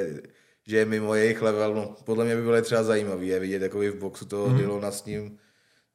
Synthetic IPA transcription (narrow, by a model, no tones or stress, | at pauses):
ʒɛjɛmɪmojɛjɪxlɛvɛlnopodlɛmɲɛbɪbɪloɪt̪r̥ɛbazajiːmaviːjɛvɪɟɛt̪jakobɪvboksut̪oɦdɪlonasɲɪm